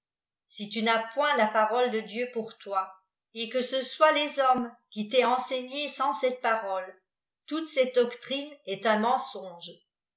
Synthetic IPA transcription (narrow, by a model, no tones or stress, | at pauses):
sit̪ynapwɛ̃lapaʁɔld̪əd̪jøpuʁt̪wa | ekəsəswalezɔmkʲit̪ɛɑ̃seɲesɑ̃sɛt̪̚paʁɔl | t̪ut̪sɛt̪̚d̪ɔkt̪χinɛt̪ɛ̃mɑ̃sɔ̃ʒ